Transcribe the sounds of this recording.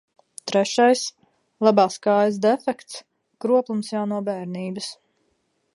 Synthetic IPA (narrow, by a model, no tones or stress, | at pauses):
t̪ɾɛʃajs | lˠabaːskaːjəs̬d̪ɛfɛkt̪s | kɾuɔplˠumsjawnuɔbɛːɾniːbəs